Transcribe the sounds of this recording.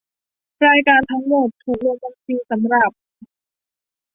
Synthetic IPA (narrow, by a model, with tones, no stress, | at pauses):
ɾaː˧jkaː˧nt̪ʰa˦˥ŋmo˨˩t̪ʰːuː˨˩k̚lo˧ŋba˧ŋsiː˧sa˩˦mɾa˨˩p̚